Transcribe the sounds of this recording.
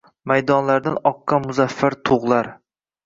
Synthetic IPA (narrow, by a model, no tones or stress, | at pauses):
majd̪ɒnlaɾd̪anɒqːɑmʊzafːaɾt̪ʰoʁlˠaɾ